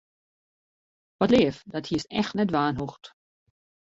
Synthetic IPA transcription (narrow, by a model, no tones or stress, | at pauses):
ʋɔtleːəfdɔthiəsɛ̰xtnɛtʋaːnɦuxt